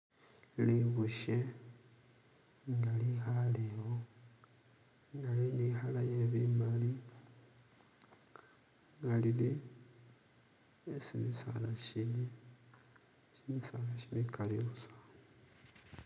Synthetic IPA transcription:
liβuʃe | ŋɡalixaleɣo | ŋɡalinixalajeβimali | ŋɡalili | esimisa̰laʃini | simisalaʃiβikʰalioβusḁːno

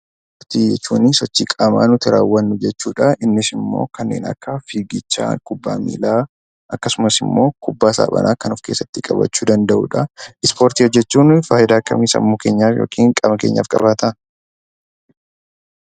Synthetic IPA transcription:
oɾt̪iːd͡ʒɛt͡ʃːuːnɪsɔt͡ʃːiːkʼaːmaːnʊt̪ɪɾaːwːɐnːʊd͡ʒɛt͡ʃːuːᶑɐʔɪnːɪsɪmːo̞̰ːkɐnːe̞̰ːnɐ̰kːɐfiːɡɪt͡ʃːa̰ːkʊbːa̰ːmḭːlaː | ʔɐkːɐsʊmɐsɪmːo̞ːkʰʊbːaːsa̰ːbɐ̰nʔa̰ːkɐnʊfke̞ːsːɐt̪ːɪkʼɐbɐ̰t͡ʃːuːd̪ɐnd̪ɐʔṵːᶑɐɪspo̞ːɾt̪iːɔd͡ʒːɛt͡ʃːuːnfaːjɪd̪aːkːɐ̰miːsɐ̰mːuːke̞ːɲːaːjo̞̰ːkʼiːŋkʼɐmɐkeːɲːa̰ːfkʼɐ̰baːt̪ʰɐ

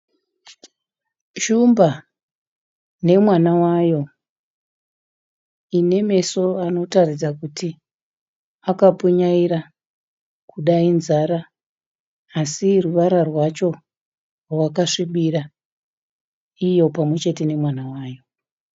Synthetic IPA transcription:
ʃumba | ne̞mwanawajo̞ | ine̞me̞so̞ano̞tarid͡zakuti | akapuɲaiɾa | kuɗainzaɾa | siruʋaɾarwat͡ʃo̞ | rwakaʂiɓira | ijo̞pamwe̞t͡ʃe̞te̞ne̞mwanawaːjo̞

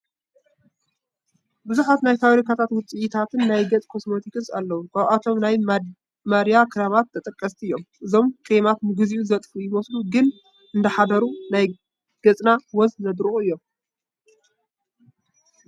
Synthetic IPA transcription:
bɨzuħat̪najfaβɾikat̪ʰat̪wʊt͡sʼijit̪ʰat̪ʰɨnːajɡɐt͡sʼkʰo̞smo̞t̪ʰikɨsa̰lːɐwukʰaβʔat̪ʰo̞mnaj | mɐɾjakʰɨɾaβat̪ːɐt̪ʼɐkʼːɐst̪ʰiɨjːo̞mʔɨzo̞mkʰʼemat̪̚mɨɡɨziʔuzɐt̪ʼfujɪmosluɡɨn | ʔɨnd̪ɐħad̪ɐɾunaj | ɡ̥ɐt͡sʼnawɔzzɐd̪ɾɨʔʼuɨjːo̞m

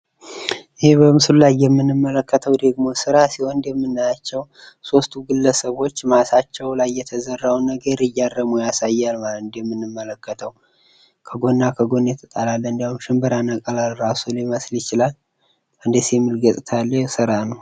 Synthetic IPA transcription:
ʔɪhebəmɨslulajːɛmːɨnːɨmːələkʰːət̪ʰəwd̪əɡmo̞sɨɾasiho̞nd̪ɛmːɨnːajat͡ʃːɛw | so̞st̪ʰuɡɨlːəsəβo̞t͡ʃːmasat͡ʃːɛwlajːɛt̪ʰəzərːawunəɡəɾɨjːarːəmujasajːalmalət̪ɨnd̪jɛmːɨnːɨmːələkːət̪ʰəw | kʰəɡo̞nːakʰəɡo̞nːet̪ʰət̪ʼalalːəɨnd̪iahumʃɪmbɨɾanakʼəlalɾasuliməsljɪt͡ʃɪlal | ʔɨnd̪eseɛmːɨlɡəsʼɨt̪ʰalːəsɨɾanəw

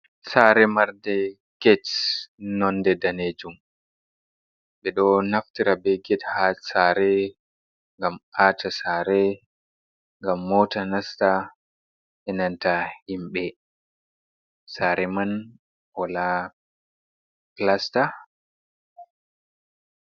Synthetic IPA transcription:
saɾɛmaɾdɛ | ɡ̥ɛtnɔndɛdaned͡ʒum | bɛɗɔnaftiɾabɛɡɛthasaɾɛ | ŋɡamaːtʰasaːɾɛ | ŋɡamːɔtanasta | ʔɛnantahimɓɛ | saɾɛman | ɔla | plasta

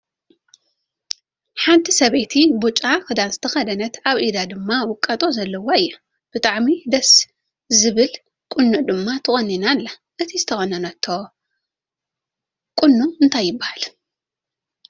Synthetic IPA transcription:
ħant̪ʰisɐβet̪ʰibut͡ʃʼakɨd̪anzɨt̪ʰɐxɐd̪ɐnɐt̪aβʔid̪ad̪ɨmːawʊkʼːɐt̪ʼo̞zɐlːɐwoɨjːɐ | b̥ɨt̪ʼaʕmid̪ɐs | zɨβɨl | kʼʊnːuʔd̪ɨmːat̪ʰɨχʼɐnːinalːa | ʔɨt̪ʰizɨt̪ʰɐxʼɐnɐnɐt̪ʰːo | kʼʊnːuɨnt̪ʰajːɪbːahal

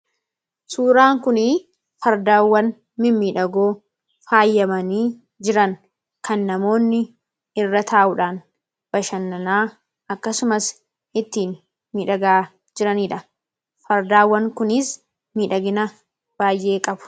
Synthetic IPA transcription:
suːɾaːŋkʊnɪ | fɐɾd̪aːwːɐn | mɪmmiːᶑɐɡo̞ː | faːjːɐmɐniː | d͡ʒɪɾɐŋ | kɐnːɐmo̞ːnːɪ | ɪrːɐt̪ʰaːʔʊᶑaːn | b̥ɐʃɐnːɐnaː | ʔɐkːɐsʊmɐs | ʔɪt̪ːiːn | miːᶑɐɡaː | d͡ʒɪɾɐniːᶑɐ | fɐɾd̪aːwːɐŋkʊnɪs | miːᶑɐɡɪnɐ | b̥aːjʔe̞ːkʼɐbʊ̥

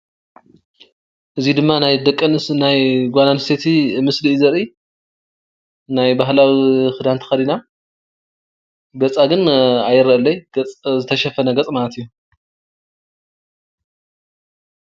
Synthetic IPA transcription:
ʔɨzid̪ɨmːanajd̪ɐkʼːɐnɨsnajɡʷananɨst̪ʰet̪ʰimɨsliʔzɐɾʔi | najbaɦlawixɨd̪ant̪ʰɨ̥xɐd̪ina | ɡɐt͡sʼaɡɨnajɨɾɐʔɐlːɐjt͡sʼzɨt̪ʰɐʃɐfɐnɐɡɐt͡sʼmalɐt̪ijːu

